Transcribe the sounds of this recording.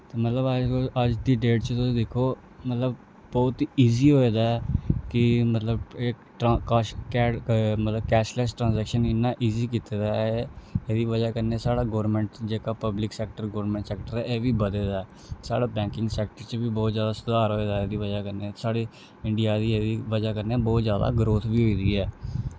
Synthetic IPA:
t̪eːmət̪ləbəd͡ʒəd͡ʒd̪iːɖeːʈt͡ʃət̪ʊsĩːd̪ekʰːoː | mət̪ləb | bɔːt̪iiːziːɦoːeːd̪aːɛːkɪmət̪ləbe | kːkːmət̪ləbkɛːʃlɛːsʈɾãːnzɛːkʃənɪnːaːʔiːziːkiːt̪eːd̪aː | eːd̪iːʋəd͡ʒaːkəneːsaːɽaːɡoːəɾmɛ̃ːɳʈd͡ʒeːkaːpəblɪksɛːk̚ʈəɾɡoːɾmɛ̃ːɳʈsɛːk̚ʈəɾɛːʔeːʋiːbəd̪eːd̪aːɛː | sa̰ːɽaːbɛ̃ːŋkɪŋɡsɛːk̚ʈəɾt͡ʃʋiːbɔːt̪zjaːd̪aːsʊd̪aːɾɦoːeːd̪aːeːd̪iːʋəd͡ʒaːkəɾneːsaːɽeː | ɪɳɖɪjaːd̪iːeːd̪iːʋəd͡ʒaːkəɾneːbɔːt̪zjaːd̪a̰ːɡɾoːt̪ʰʋiːɦoːiːd̪iːɛː

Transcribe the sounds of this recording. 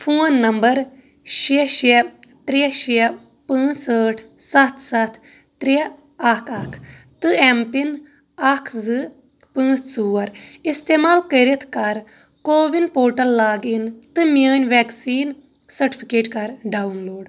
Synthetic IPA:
pʰuːnːɐmbəɾ | ʃiʃit̪ɾiʃi | pə̃ːt͡ssəːʈʰsɐt̪ʰsɐt̪ʰ | t̪ɾi | ɐkʰɐkʰ | t̪ɨɛmpin | ɐkʰzɨ | pə̃ːt͡ʃʰsuːɐɾɪst̪eːmaːlkəɾit̪ʰkɐɾ | koːʋinpoːɾʈəlːaːɡint̪ɨmjaːnʋɛːksiːn | sɐɾʈipʰikeːʈkɐɾɖaːunloːɖ

